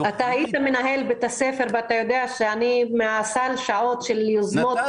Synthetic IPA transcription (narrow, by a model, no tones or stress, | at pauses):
at̪ahajit̪amenaɦelbeet̪asefe̞ʁveat̪ajo̞d̪eaʃeanimeasalʃaʕo̞t̪ʃeljozmot̪